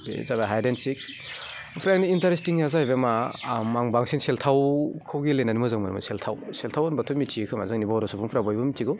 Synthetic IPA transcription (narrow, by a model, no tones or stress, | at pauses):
dḛzaɡaɦajdensik̚ | pʰɾajniːntaɾestiŋjazajbemamaŋbaŋsinseltʰawkʰɯwɡilenanimɯzaŋmanima̰seltʰawseltʰawanbatʰumit͡ʃʰiekʰɯma̰zɯŋnibaɔɾɔsupʰuŋpʰɾabajbɯmit͡ʃiɡɯw